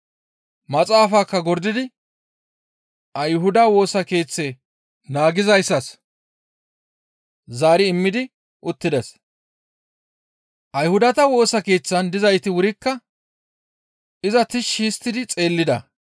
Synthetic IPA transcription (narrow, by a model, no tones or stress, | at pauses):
mɐt͡sʼaːfaːkːɐɡɔɾd̪ɪd̪ɪ | ʔɐjɦʊd̪ɐwo̞ːsɐke̞ːt͡sːe̞ː | naːɡɪzɐjsːɐs | zaːɾɪɪmːɪd̪ɪ | ʔʊt̪ːɪd̪ɛs | ʔɐjhʊd̪ɐt̪ɐwo̞ːsɐke̞ːt͡sːɐnd̪ɪzɐjt̪ɪwʊɾɪkːɐ | ʔɪzɐt̪ɪʃːɪːst̪ːɪd̪ɪt͡sʼe̞ːlːɪd̪ɐ̰